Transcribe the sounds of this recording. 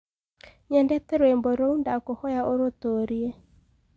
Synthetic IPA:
ɲɛndɛtɛɾwemboɾoundakohɔjaʔoɾotoɾie

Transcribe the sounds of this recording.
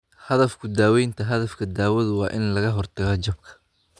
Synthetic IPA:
hɐðɐfkʰʊd̪aːwɛjnt̪ʰɐɦɐðɐfkʰɐd̪aːwɐðʊwɑːʔɪnlɐɣɐɦɔrt̪ʰɐɣɐt͡ʃɐbkʰɐ̥

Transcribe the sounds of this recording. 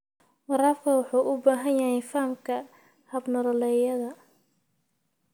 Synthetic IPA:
wɑɾaːfkʰɐwɑħuːʔʊbaːɦɐnjɐɦɛjfɐmkʰɐ | hɐbnɐlɔlɛːjɐðɐ

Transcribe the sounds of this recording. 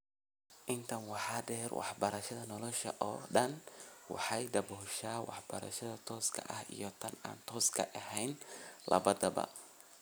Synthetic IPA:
ʔɪnt̪ʰɐnwɑħɑːɖɛːrwʔɑ̰ħbɐɾɐʃɐðɐnɔlɔʃɐ̰ʔɔ̰ːɖɐnwɑ̰ħɑjd̪ɐbɔːʃaːwʔɑ̰ħb̥ɐɾɐ̰ʃɐðɐt̪ʰɔːskʰɐ̰ʔɐhḭjɞt̪ʰɐna̰ːnt̪ʰɔːskʰɐʔɐhɛjnlɐ̰βɐðɐbɐ̰

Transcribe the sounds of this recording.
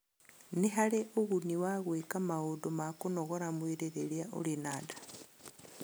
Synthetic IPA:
neɦaɾeʔoɣuniwaɣwekamaudomakonoɣoɾamweɾeɾeɾiaʔo̰linaːdḁ

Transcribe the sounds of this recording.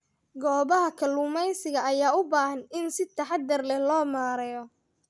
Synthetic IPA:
ɡɔːβɐɦɐkʰɐlʊmɛjsɪɣɐʔɐjaːʊbaːhɐnɪnsɪt̪ʰɐħɑd̪ɐrlɛhlɔːmaːɾɛjɔ

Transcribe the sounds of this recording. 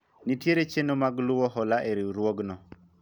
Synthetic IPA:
nitjeɾet͡ʃenomaɡlʊwɔɦɔlaʔeɾiwɾwoɡnɔ

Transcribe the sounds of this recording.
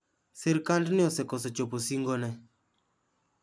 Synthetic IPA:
seɾkandnɪɔsɛkɔs̬ɔt͡ʃoposiŋɡɔnɛ

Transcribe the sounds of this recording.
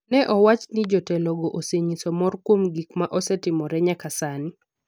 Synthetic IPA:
nɛʔɔwat͡ʃnɪd͡ʒɔtɛlɔɡɔʔoseɲisɔmɔrkwomɡikmaʔɔsɛtɪmɔɾɛɲakasani

